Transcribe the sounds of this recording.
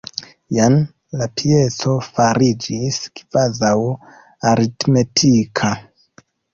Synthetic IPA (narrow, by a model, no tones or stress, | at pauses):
jan | lapʰie̞t͡so̞faɾid͡ʒiskv̥azaw | aɾitme̞tʰikʰa